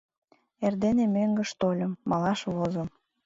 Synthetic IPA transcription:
erd̪enemøŋɡə̆ʃt̪olʲə̆mːɑlɑʃβozə̆m

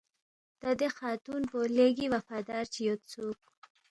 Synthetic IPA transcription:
d̪̥ad̪exɑt̪unpoleɡiwafɑd̪ɑɾt͡ʃijot̪t͡sok̚

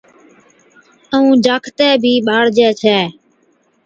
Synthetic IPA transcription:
əũːd͡ʒaːkʰt̪ɛːbʱiːɓaːɽd͡ʒɛːt͡ʃʰɛː

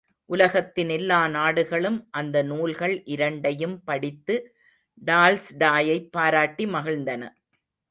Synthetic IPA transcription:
ʔʊlɐɣɐt̪ːɪnɛlːaːnaːɽɯɣɐɭɯmʔɐnd̪ɐnuːlɣɐɭʔɪɾɐɳɖɐjɯmpɐɽɪt̪ːɯ | ɖaːlsɖaːjɐɪpːaːɾaːʈːimɐɣɐɭnd̪ɐnɐ̰

